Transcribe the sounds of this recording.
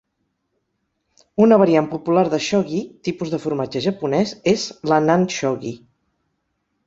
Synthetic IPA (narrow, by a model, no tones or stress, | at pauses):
unəβəɾiampupulaɾðəʃɔɣit̪ipuzðəfuɾmad͡ʒəʒəpunɛzezlənanʃɔɣḭ